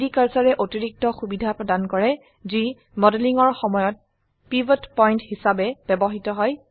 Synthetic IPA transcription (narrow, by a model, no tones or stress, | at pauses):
dikaɹsaɹɛʔotiɹik̚tɔxubidʱapɹɔdankɔɹɛ | zi | mɔdeliŋɔɹxɔmɔjɔt̚ | pibɔtpɔjnthisabɛbɛbɔɦitɔɦɔj